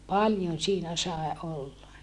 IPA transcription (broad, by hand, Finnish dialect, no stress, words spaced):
pɑljon̞ siːnæ sɑe olːɑ